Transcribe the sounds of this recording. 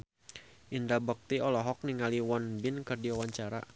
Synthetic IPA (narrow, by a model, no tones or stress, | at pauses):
ʔindabək̚t̪iɔlɔɦɔk̚niŋaliwɔnbɪnkɨrdiawaɲt͡ʃaɾa̰